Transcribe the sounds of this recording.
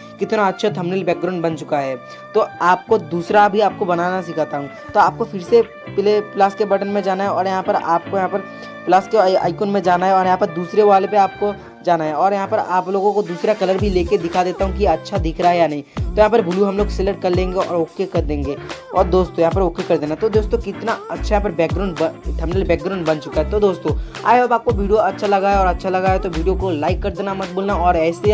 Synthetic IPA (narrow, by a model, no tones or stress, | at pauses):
kɪt̪naɐtːʃʰat̪ʰɐmnilbɛːk̚ɡɾãːʊ̃ɳɖbɐ̃nt͡ʃʊkaɦɛː | t̪oaːp̚kod̪uːsɾabʱiaːp̚kobɐnaːnasɪkʰat̪aɦũː | t̪oaːp̚kofɪɾse | pɪleplaːskebɐʈənmẽd͡ʒaːnaɦɛɔːɾjɐɦãpɐɾaːp̚kojɐɦãpɐɾ | plaːskea̰ːɪkoːnmẽd͡ʒaːnaɦɛɔːɾjɐɦãːpɐɾd̪uːsɾeʋaːlepeaːp̚ko | d͡ʒaːnaɦɛɔːɾjɐɦãpɐɾaːploːɡõkod̪uːsɾakɐləɾbʱileːked̪ɪkʰad̪eːt̪aɦũkieɐtːʃʰad̪ɪkʰɾaɦɛjanɐɦĩt̪ojɐɦãːpɐɾbʱʊluɦɐ̃mloːɡseːləʈ̚kɐɾlẽːŋɡeɔ̰ːɾoːkːekɐɾd̪ẽːŋɡeː | ɔːɾd̪oːst̪ojɐɦãpɐɾoːkekɐɾd̪eːnat̪od̪oːst̪okɪt̪naɐtːʃʰajɦãpɐɾbɛːk̚ɡɾaːʊɳɖbʈ̪ʰɛmɖəlbɛːk̚ɡɾãːʊɳɖbɐ̃nt͡ʃʊkaɦɛt̪od̪oːst̪õː | a̰ːjeɐbaːp̚koʋiːɖijoɐtːʃʰalɐɡaːeɔːɾɐtːʃʰalɐɡaːɦet̪oʋiːɖijokolaːɪkːɐɾd̪eːnamɐt̪̚buːlnaɔːɾɛːse